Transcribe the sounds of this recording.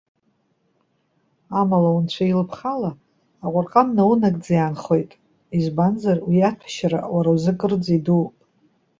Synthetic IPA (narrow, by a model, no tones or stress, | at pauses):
amalawunt͡ɕʷʰailpʰχalaː | qʷʼʊrqʼamnawunakʼd͡zajanχo̞jtʼ | izbanzarwiatʷʰḁʃaɾa̰waɾawzɨkʼɨrd͡ziduwpʼ